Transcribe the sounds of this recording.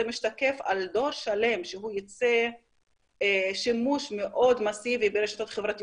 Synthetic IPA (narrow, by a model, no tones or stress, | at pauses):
emiʃt̪ake̞fa̰ld̪o̞ɾʃale̞mʃeɦujot͡se | ʃimuʃmeʔo̞d̪masivibeɾeʃḁt̪ot̪χevʁat̪i